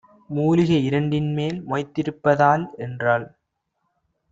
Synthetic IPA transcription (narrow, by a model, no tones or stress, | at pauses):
muːlɪɣɐɪɾɐɳɖɪnmeːlmɔɪt̪ːɪɾɯpːɐðaːlɛndraːl